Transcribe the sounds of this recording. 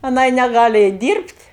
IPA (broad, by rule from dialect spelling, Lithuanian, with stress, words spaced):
ɐˈnɐɪ nʲɛˈɡɑːlʲɪ ˈɛɪt ˈdʲiːrʲpʲtʲ